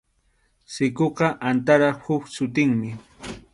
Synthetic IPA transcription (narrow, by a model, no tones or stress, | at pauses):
sɪkoqɑʔant̪aɾɑχhʊksʊt̪ɪŋmɪ